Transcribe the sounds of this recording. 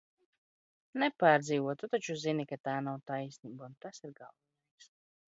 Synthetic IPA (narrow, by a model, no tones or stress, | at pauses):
nɛpaːɾd̪ziːvuɔt̪ut̪at͡ʃuzinikat̪aːnawt̪ajsʲniːbaunt̪asiɾɡalˠɔnɛjks